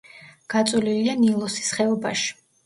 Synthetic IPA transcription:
ɡ̥at̪sʼulilianilˠɔsi̥sχɛɔba̰ʃi̥

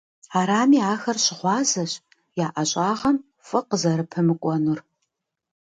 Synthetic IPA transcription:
aːɾaːmiːaːxɐrɕɪʁʷɑːzɐɕ | jaːʔɐɕʼaːʁɐm | fʼɨqəzɐɾɨpʰɨmɨkʷʼɔnʊr

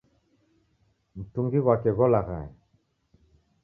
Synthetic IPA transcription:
n̩t̪uŋɡiwakɛɡɔlaɣa̰j

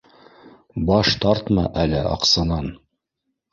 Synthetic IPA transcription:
bɑʃt̪ɑɾt̪mɑʔælɘ̰ɑ̰qsɑnɑn

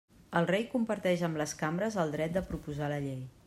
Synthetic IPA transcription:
əlˠrejkumpəɾt̪ɛʒəmləskambɾəzəlˠd̪ɾɛt̪̚d̪əpɾupuzaləʎej

